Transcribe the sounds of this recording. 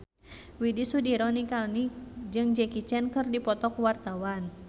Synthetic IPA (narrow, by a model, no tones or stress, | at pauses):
widisudiɾɔnikalnid͡ʒɨŋd͡ʒɛkit͡ʃɛnkɨrdipɔt̪ɔkwart̪awan